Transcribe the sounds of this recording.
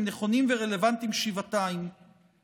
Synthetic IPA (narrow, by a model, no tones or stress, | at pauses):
neχo̞nimveʁe̞levant̪imʃivat̪aim